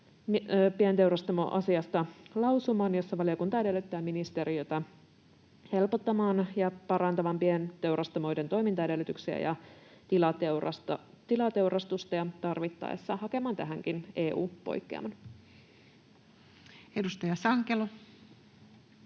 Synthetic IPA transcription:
piænt̪e̞wɾɑst̪omoʔɑsiɑst̪ɑlɑwsumɑːnjo̞sːɑʋɑlio̞kunt̪ɑjæde̞lːyt̪ːæːminist̪e̞ɾio̞t̪ɑ | he̞lpot̪ːɑmɑːnjɑpɑɾɑnt̪ɑʋɑmpiænt̪e̞wɾɑst̪ɑmo̞jdent̪o̞jmint̪ɑjdelːyt̪yksiæ̰jɑ̰ | t̪ilɑt̪s | t̪ilɑt̪e̞wɾʔɑst̪ust̪ɑjɑt̪ɑrʋit̪ːɑ̰jḛsːɑhɑke̞mɑːnt̪æɦæŋk̟ine̞ːʔṵːpo̞̰jkːḛɑ̰mɑn | edust̪ɑjɑsɑŋkelo

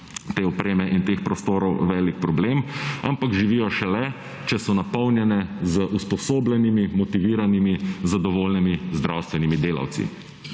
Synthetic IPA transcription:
t̪eːɔpɾeːmɛʔint̪eːxpɾɔst̪oːɾɔwʋɛːlikpɾɔbleːma̰mpakʒiʋijɔʃɛlɛ | t͡ʃɛsɔnapɔwnjɛnɛzəʔuspɔsoːblɛnimimɔt̪iʋiːɾanimizad̪ɔʋoːlnimizd̪ɾawst̪ʋɛnimid̪eːla̰wt̪sḭ

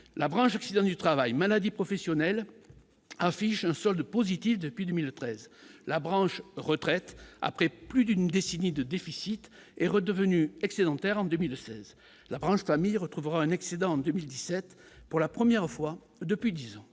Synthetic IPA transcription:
labʁɑ̃ʃɔksid̪ɑ̃d̪yt̪χavajmalad̪ipχɔfɛsjɔnɛl | afiʃɛ̃sɔld̪pozit̪ifd̪əpɥid̪əmilt̪χɛzlabʁɑ̃ʃʁət̪χɛt̪a̰pχɛplyd̪ynd̪esenid̪əd̪efisit̪ | ɛʁəd̪əvənyɛksed̪ɑ̃t̪ɛʁɑ̃d̪əmilsɛz | labʁɑ̃ʃfamijʁət̪χuvəʁaɛ̃naksed̪ɑ̃ɑ̃d̪əmild̪isɛt̪ | puʁlapχəmjɛʁfwa | d̪əpɥid̪izɑ̃

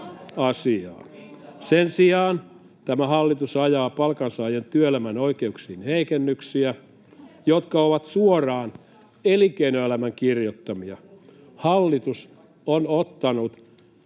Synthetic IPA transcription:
ɑsiɑ̰ːnsensiɑːn | t̪æmæhɑlːit̪usɑjɑːpɑlkɑnsɑːjent̪yøelæmænoikeuksiːnheikenːyksiæ | jot̪kɑoʋɑt̪suorɑːn | elikeinoelæmæŋkirjot̪ːɑmiɑ | hɑlːit̪us | onot̪ːɑnut̪

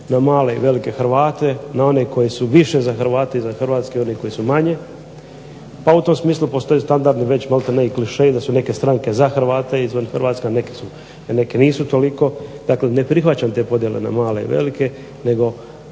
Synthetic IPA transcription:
namaːle̞iʋe̞like̞xɾʋaːt̪e̞nao̞neko̞jisuʋiʃe̞zaxrɾʋaːt̪eizaxr̩ʋaːt̪skeio̞neko̞jisumaɲe̞ | paut̪o̞msmiːslˠupo̞st̪o̞just̪and̪aɾd̪niʋet͡ɕmalˠt̪aneikliʃejid̪asune̞ke̞st̪ɾaŋke̞zaxr̩ʋaːt̪eizʋanxrɾʋaːt̪skenekesu | ne̞keniːsut̪o̞liko̞d̪akle̞ne̞pɾixʋat͡ɕamt̪e̞ːpo̞d̪je̞lḛna̰maːle̞ḭʋe̞̰like̞ | ne̞ɡo̞

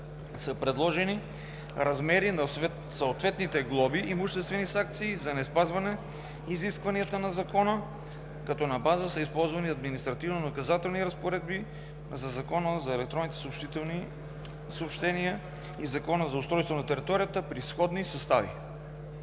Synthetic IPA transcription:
səpɾɛd̪lˠɔʒɛni | ɾɐzmɛɾinɐ | sɐot̪vɛt̪nit̪ɛɡlˠɔbiʔimʊʃt̪ɛst̪vɛnisaŋk̚t̪siːzɐnɛspazvɐnɛ | iziskvɐniət̪ənɐzɐkɔnə | kɐt̪ɔnɐbazəsəispɔlˠzvɐniɐd̪minist̪ɾɐt̪ivnonɐkɐzat̪ɛlˠniɾɐspoɾɛd̪̚bi | zɐzɐkɔnəzɐɛlɛk̚t̪ɾɔnit̪ɛ̥soːpʃt̪it̪ni | soopʃt̪ɛnijə | izɐkɔnəzɐʊst̪ɾɔjst̪vonɐt̪ɛɾit̪ɔɾijət̪əpɾisxɔd̪nisɐst̪avḭ

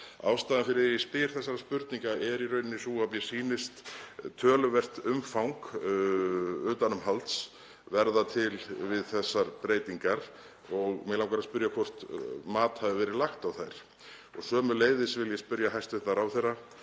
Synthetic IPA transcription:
a̰wst̪aːðanfɪɾɪjɛspɪɾ̥θɛsːaɾaspʏɾt̪niŋkaʔɛɾiɾœɥnɪnːɪsuamjɛ̥siːnɪst̪t̪ʰːœːlʏvɛr̥t̪ʏmfawŋk | ʏːt̪anʏmhalt̪s | vɛɾðat̪ʰɪlvɪðθɛsːaɾpɾeːjt̪iŋkaɾ | ɔɣmɛlawŋkaɾaspʏɾjakʰvɔr̥t̪maːt̪havɪvɛːɾɪlaxt̪awθajɾ̥ | ɔ̰ɣsœːmʏleːjðɪsvɪljɛspʏɾjaɦajst̪ɪθaɾawθɛrːa

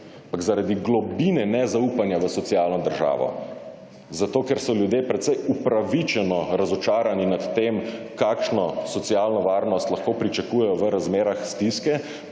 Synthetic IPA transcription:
apaɡzaɾad̪iɡlɔbinɛnɛzaupanjaʋəsɔt̪sijaːlnɔd̪əɾʒa̰ːʋɔ̰ | zat̪oːkɛɾsɔljud̪jeːpɾɛt̪sɛjupɾaʋit͡ʃɛnɔɾazɔt͡ʃaːɾaninat̪ːeːm | kaːkʃnɔsɔt̪siaːlnɔʋaːɾnɔst̪laxkoːpɾit͡ʃakujɛjɔʋəɾazmeːɾaxst̪iskɛ

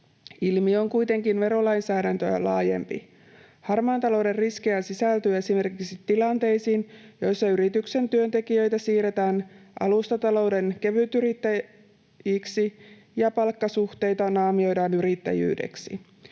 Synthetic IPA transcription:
ilmio̞ŋkujt̪e̞ŋkinʋe̞ɾo̞lɑjnsæːɾænt̪øjæ̰lɑːje̞̰mpḭ | hɑrmɑːnt̪ɑlo̞wderrisk̟ejæsisælt̪yːe̞sime̞rkiksit̪ːilɑnt̪e̞jsiːnjo̞jsːɑyɾit̪ykse̞nt̪yø̞nt̪e̞kiø̞jt̪æsiːɾe̞t̪æːnʔɑ̰lust̪ɑt̪ɑlo̞wde̞nke̞ʋyt̪yɾit̪ːæ | jiksi | jɑpɑlkːɑsuht̪e̞jt̪ɑnɑːmio̞jdɑːnyɾit̪ːæ̰jy̰ːdḛksḭ

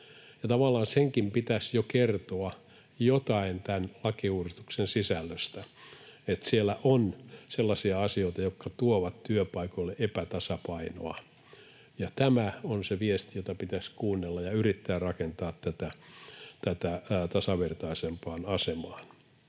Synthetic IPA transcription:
jɑt̪ɑʋɑlːɑːnseŋkimpit̪æsjokert̪oɑ | jot̪ɑint̪ænlɑkiuːrist̪u̥ksensisælːøst̪æet̪sielːˑæʔonselːɑsiɑɑsioit̪ɑjokːɑt̪uoʋɑt̪t̪yøpɑikolːeʔepæt̪ɑsɑpɑino̰ɑ | jɑt̪æmæonseʋiest̪ijot̪ɑpit̪æskuːnːelːɑjɑyrit̪ːæːrrɑkent̪ɑːt̪t̪æt̪æt̪æt̪æt̪ɑsɑʋert̪ɑisempɑːnɑsemɑːn

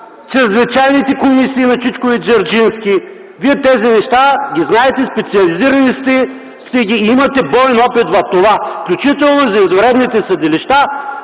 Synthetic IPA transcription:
t͡ʃɛznɐt͡ʃajnit̪ɛkomisiːnɐsit͡ʃkoid͡ʒɐɾd͡ʒinskʲi | viɛt̪ɛzinɛʃt̪aɡʲiznaɛt̪ɛspɛt̪siɐliziɾɐnist̪ɛ | st̪ɛɡʲiimɐt̪ɛbɔɛnɔpit̪vɐt̪ovafklʲut͡ʃit̪ɛlˠnozɐzɾɛd̪nit̪ɛsɐd̪ɪliʃt̪a

